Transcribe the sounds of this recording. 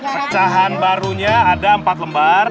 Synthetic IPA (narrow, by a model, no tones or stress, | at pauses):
pət͡ʃaɦanbaɾuɲaːdaəmpat̪̚ləmbar